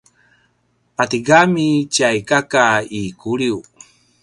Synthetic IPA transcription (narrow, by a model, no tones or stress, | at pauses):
pat̪iɡamit͡ɕajkakaikuɾiu